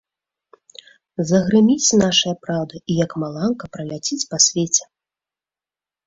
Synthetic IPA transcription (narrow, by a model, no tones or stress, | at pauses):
zɐɣɾɨmʲit͡sʲn̪aʂɐjɐpɾawd̪ɐʔijɐkmalˠankɐpɾɐlʲat͡sʲit͡sʲpasʲvʲet͡sʲɛ̥